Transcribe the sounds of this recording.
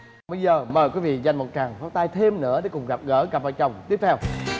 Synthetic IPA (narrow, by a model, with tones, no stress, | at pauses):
ɓə˧jzəː˨˩məː˨˩jkwi˨˦vḭ˧˨za˨˩jŋ̟mo˨˩t̚t͡ɕaː˨˩ŋfaː˨˦˥wt̪aː˧jt̪ʰe˧mnɨ̰˧˥əɗe˨˦jkʊ˨˩ŋ͡mɣa˨˩p̚ɣə̰ː˧˥ɣa˨˩p̚va̰ː˧˨˩t͡ɕə˨˩wŋ͡mt̪i˦˥əp̚t̪ʰɛ˧w